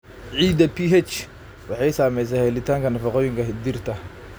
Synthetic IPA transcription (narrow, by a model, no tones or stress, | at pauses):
ʕiːd̪ɐpʰiɦɛt͡ʃ | wɑħɑjsaːmɛjs̬aːhɛlɪt̪ʰaːŋkʰɐnɐfɑqɔːjɪŋkʰɐɦɪd̪irt̪ʰɐ